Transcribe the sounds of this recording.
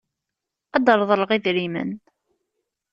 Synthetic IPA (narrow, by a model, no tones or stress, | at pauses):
ɑd̪əɾˤðˤəlʁiðɾimə̰n